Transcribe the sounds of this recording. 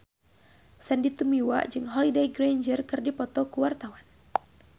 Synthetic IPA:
sɛndit̪umiwa̰ʔd͡ʒɨŋɦɔlidejɡɾajnd͡ʒərkɨrdipɔt̪ɔkuwart̪awan

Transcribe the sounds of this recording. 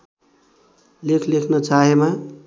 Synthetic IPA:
lekʰlekʰnʌt͡ʃaɦema

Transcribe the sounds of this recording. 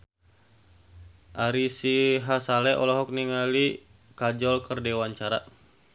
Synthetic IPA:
ʔaɾisiɦasalɛʔɔlɔɦɔk̚niŋali | kad͡ʒɔlkərdɛwaɲt͡ʃaɾa

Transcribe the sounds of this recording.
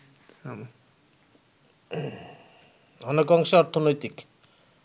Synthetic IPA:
sam | ɔnekɔŋʃeɔɾt̪ʰonojt̪ik

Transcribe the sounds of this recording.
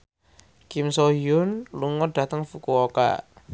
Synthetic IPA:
kɪmsoɦiʊnluŋɔɖ̥ä̤t̪əŋfukuoka̰

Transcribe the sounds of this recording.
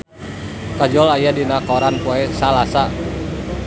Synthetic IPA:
kad͡ʒɔlajadinakɔɾanpɔɛsalasa

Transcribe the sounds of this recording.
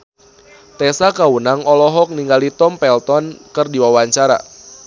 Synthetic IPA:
t̪ɛsakawunaŋɔlɔɦɔk̚niŋɡalit̪ɔmpɛlt̪ɔnkərdiwawaɲt͡ʃaɾa̰

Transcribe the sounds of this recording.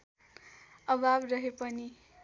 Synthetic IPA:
ʌbʱabrʌɦepʌni

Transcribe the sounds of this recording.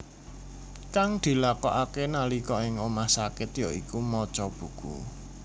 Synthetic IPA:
kaŋd̪̥i̤lakɔʔakenalikɔɪŋomahsakɪt̪joʔikumɔt͡ʃɔb̥ṳɡ̥ṵ

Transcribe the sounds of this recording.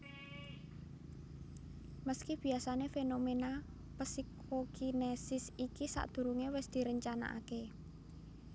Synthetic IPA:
məskib̥i̤asanefenomena | pəsikʰ | okinesɪsikisa̰ʔd̪̥ṳɾuŋewɪsd̪̥i̤ɾəɲt͡ʃana̰ʔa̰ke

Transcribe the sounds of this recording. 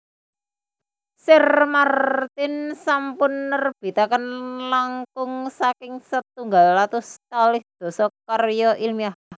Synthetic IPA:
sɪrmart̪ɪnsampʊnːərb̥i̤t̪akənlaŋkʊŋsakɪŋsət̪uŋɡalːat̪ʊst̪alɪhd̪̥ɔ̤sɔkarjɔʔilmiahah

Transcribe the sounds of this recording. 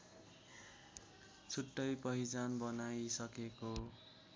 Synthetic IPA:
t͡sʰuʈːʌjpʌɦid͡zanbʌnajsʌkeko

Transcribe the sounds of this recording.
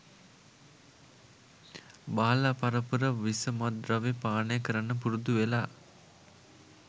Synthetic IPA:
baːlapaɾəpəɾəʋisəmad̪ɾaʋepaːnəjəkəɾanːəpuɾud̪uʋelaː

